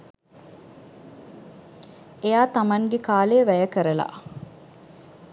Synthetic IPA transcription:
ejaːt̪amɐŋɡekaːleːʋæjəkəɾəla̰

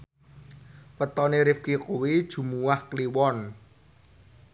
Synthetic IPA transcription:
pət̪ɔneɾɪfkikuwid̥ʒ̥ṳmuwahkliwɔn

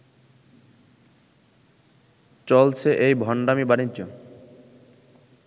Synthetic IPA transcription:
t͡ɕɔlt͡ɕʰeʔejbʱɔɳɖamibanid͡ʑo

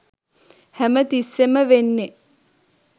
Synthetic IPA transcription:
hæmət̪isːeməʋenːe

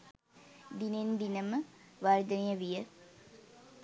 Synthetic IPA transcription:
d̪inend̪inəməʋaɾd̪ɐnejəʋijə

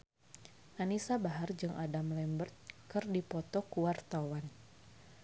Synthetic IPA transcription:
ʔanisabaɦard͡ʒɨŋʔadamlɛmbərt̪̚kɨrdipɔt̪ɔkuwart̪awan

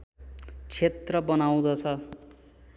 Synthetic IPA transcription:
t͡sʰet̪rʌbʌnaw̃d̪ʌt͡sʰʌ

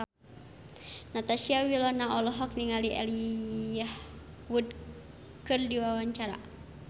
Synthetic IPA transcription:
nat̪asiawilɔnaʔɔlɔɦɔk̚niŋaliʔa̰liah | wud | kɨrdiwawaɲt͡ʃaɾa̰

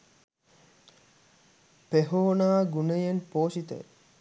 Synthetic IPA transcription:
peɦoːnaːɡunejenpoːʃit̪ə̰

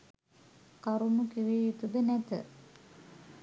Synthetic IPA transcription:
kaɾunukiʋejut̪ud̪ənæt̪ə̰

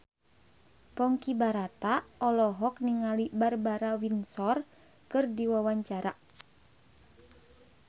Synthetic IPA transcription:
pɔŋkibaɾat̪aɔlɔɦɔk̚niŋalibarbaɾawinsɔr | kɨrdiwawaɲt͡ʃaɾa

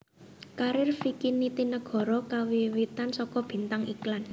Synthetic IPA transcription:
kaɾɪrfikinit̪inəɡ̥ɔ̤ɾɔkawiwit̪ansɔkɔb̥i̤nt̪aŋḭklan

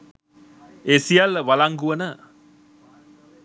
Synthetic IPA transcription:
esijaləʋalaŋɡuənə

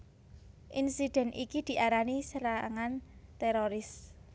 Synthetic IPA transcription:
ʔinsid̪̥ɛ̤nʔikid̪̥i̤ʔaɾanisəɾaŋant̪eɾoɾɪs

